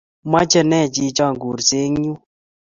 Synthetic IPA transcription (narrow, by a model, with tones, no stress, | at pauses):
ma˦t͡ʃɛ˦nɛ˦˨t͡ʃi˧t͡ʃa˦˨ŋɡu˨ɾse˦ŋ˦ɲu˦